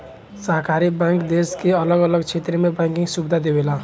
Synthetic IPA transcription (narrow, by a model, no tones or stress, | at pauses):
səɦkaɾibaŋkd̪eskeələɡələɡt͡ʃʰet̪ɾəmebãŋkiŋsubd̪ʱad̪ebela